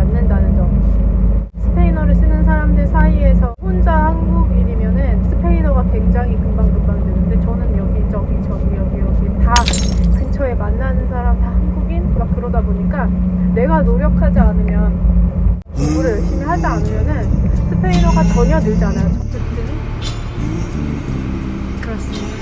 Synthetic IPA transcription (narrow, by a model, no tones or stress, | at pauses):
anːɯndanɯnd͡ʑʌŋ | sʰɯ̥pʰe̞inʌɾɯɭs͈ɯnɯnsʰaɾamdɯɭsʰaie̞sʰʌɸond͡ʑahaŋɡuɡiɲimjʌnɯnsʰɯ̥pʰe̞inʌɡake̞ŋd͡ʑaŋɦikɯmbaŋdɯmbaŋdwenɯnde̞t͡ɕʌnɯnmjʌɡid͡ʑʌɡit͡ɕʌnmijʌŋɡijʌɡita | kɯnt͡ɕʰoe̞manːanɯnsʰaɾamtahanɡuɡinmak͈ɯɾʌdaboɲik͈ane̞ɡanoɾjʌkʰad͡ʑianɯmjʌn | ouɾɯɭɕimiɦad͡ʑianɯmjʌnɯnsʰɯpʰe̞inʌɡat͡ɕʌɲʌdɯɭd͡ʑanajot͡ɕʰʌkt͡ɕ͈ʰet͈ɯi | kɯɾʌs͈ɯmɲida